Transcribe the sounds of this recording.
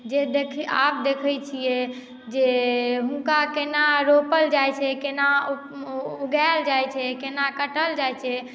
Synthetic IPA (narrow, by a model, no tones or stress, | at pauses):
d͡ʒed̪ekʰa̰p̚d̪ekʰət͡ʃʰijɛ | d͡ʒeɦũŋkakenaɾopəld͡ʒajt͡ʃʰɛkena | uɡaeld͡ʒajt͡ʃʰɛkenakəʈəld͡ʒajt͡ʃʰɛ